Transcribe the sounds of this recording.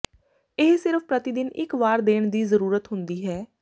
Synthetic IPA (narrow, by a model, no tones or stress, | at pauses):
ɪɦsɪɾfpɾət̪ɪd̪ɪnɪ̰kʋaːɾd̪eːɳ̃d̪iːzəɾuːɾət̪ɦʊnd̪iːɦɛː